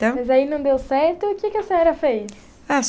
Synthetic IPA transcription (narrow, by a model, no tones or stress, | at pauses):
t̪ɐ̃mɐjzainɐ̃w̃d̪ewsɛɾt̪ʊːkɪkɪɐsɛɾɐfejs | a